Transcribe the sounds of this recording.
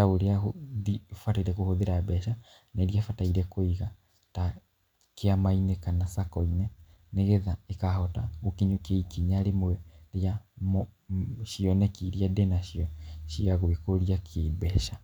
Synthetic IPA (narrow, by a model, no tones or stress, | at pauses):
aoɾeahoðifataiɾɛkohoðeɾabɛʃa | naeɾiafataiɾɛkoiɣa | ta | keamainekanasakɔinɛ | neɣeðaekahɔtaɣokeɲokeikiɲaɾemoɛɾejamoʃiɔnɛkiɾiadɛnaʃiɔʃiaɣoekoɾiakʰebɛʃa